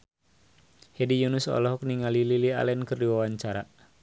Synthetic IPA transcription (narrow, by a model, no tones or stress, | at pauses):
hedijunusɔ̰lɔɦɔk̚niŋalililia̰lɛnkərdiwawaɲt͡ʃaɾa